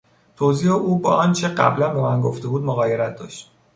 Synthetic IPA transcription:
t̪ʰoziːheʔuːbɒ̰ːʔɒnt͡ʃʰeɢæ̰blænbe̞mænɡoft̪e̞buːd̪moɣɒːjeɾæt̪̚d̪ɒ̰ːʃt̪̚

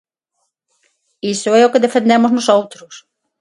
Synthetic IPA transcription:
isʊɛʊkɪðefẽnd̪emʊznʊsowt̪ɾʊs

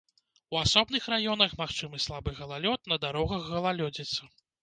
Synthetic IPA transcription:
uasɔbnɨxrajɔnɐxmaxt͡ʂɨmɨslˠabɨɣɐlˠalʲɔt̪̚nɐd̪aɾɔɣɐɣɣɐlˠalʲɔd͡zʲɛt̪sɐ

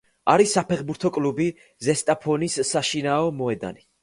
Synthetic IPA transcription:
aɾisːapʰɛχbuɾt̪ʰɔkʼlubi | zɛst̪ʼapʰɔnisːaʃinaɔmɔɛd̪a̰ni

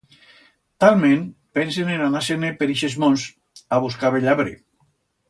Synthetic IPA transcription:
t̪alˠmẽnpɛnsenenanasenepeɾiʃezmons | aβuskaβeʎaβɾḛ

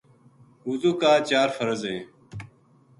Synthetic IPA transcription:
uzuːkaːt͡ʃaːɾfəɾəzẽː

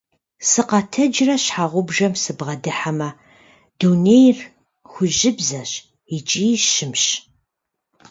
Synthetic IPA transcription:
sɨqɑtʰɐd͡ʒrɐɕħaːʁʷʊbʒɐmsɨbʁɐdɨħamɐ | d̥unejr | xʷʊʑɪbzɐɕ | it͡ʃʼiːʃɪmɕ

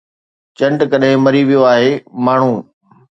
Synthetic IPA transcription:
t͡ɕɐ̃ɳɖkɐɗɦɪ̃mɐɾiʋijoaːɦeːmaːɳ̤ũː

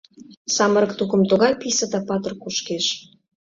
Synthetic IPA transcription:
sɑmə̆ɾɤ̆k̚t̪ukə̆mt̪ŏɣɑjpisəd̪ɑpɑt̪ə̆rkuʃkeʃ

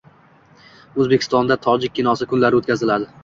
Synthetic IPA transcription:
ɵzbekʲʰɪ̥st̪ɒnd̪at̪ʰɒd͡ʒɪk̚ʲːʰɪnɒsɪkʰʊnlaɾɪot̪̚kʲazɪlad̪ɪ

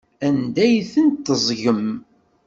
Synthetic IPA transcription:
ænd̪æjθənt̪ːəzˤʝəm

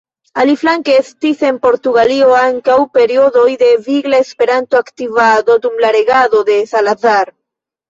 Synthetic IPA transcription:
aliflaŋkeestise̞npo̞ɾtuɡalio̞aŋkawpe̞ɾio̞do̞jde̞viɡlaespe̞ɾantoaktivado̞dumlaɾe̞ɡado̞de̞salazaɾ

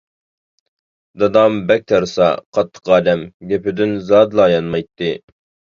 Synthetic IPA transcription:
d̪ɑd̪ɑmbɛk̚ʲt̪ʰɑɾɨsɑ̰qʰɑt̪ʰːə̥qɑːd̪ɛmɡʲɛpɪd̪ynzɑːd̪lˠɑjɑnmɑjt̪ʰːɨ

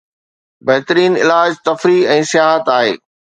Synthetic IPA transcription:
bɐɦt̪əɾiːnɪlaːd͡ʑt̪ɐfɾiɛ̃ːsɪjaːɦət̪aːɦeː

